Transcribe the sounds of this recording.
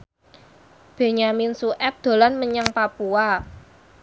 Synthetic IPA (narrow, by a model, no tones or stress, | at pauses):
b̥e̤ɲaminsuʔɛp̚d̪̥o̤lanməɲaŋpapua